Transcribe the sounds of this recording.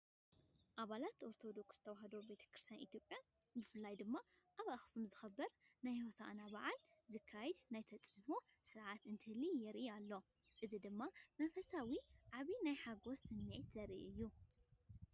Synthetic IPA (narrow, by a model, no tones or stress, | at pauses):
ʔaβalat̪o̞ɾt̪ʰo̞d̪o̞ksz̥ɨ̥t̪ʰɐwaɦɐd̪o̞be̞t̪ʰɐ̥kɾɨst̪ʰja̰nʔḭt̪ʰjo̞pʼjan | bɨfɨlːajd̪ɨmːa | ʔaβaxsumzɨxɐbːɐɾnajhosa̰ʔnabaʕalzɨkʰːajɛd̪najt̪ʰɐt͡sʼɨnosɨɾʕat̪ɨnt̪ʰɨhlijɛɾʔialːo̞ | ʔɨzid̪ɨmːamɐnfɐsawiʕaβinajħaɡo̞sːɨmːiʕit̪zɐɾʔḭʔɨjːu